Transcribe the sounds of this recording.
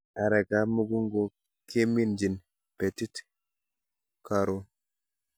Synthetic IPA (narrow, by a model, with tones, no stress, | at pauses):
a˨ɾɛ˨ka˨mu˦ɡu˦ŋɡo˨ | kʰe˦mi˦nd͡ʒi˨n | pe˨ti˦t | kaɾo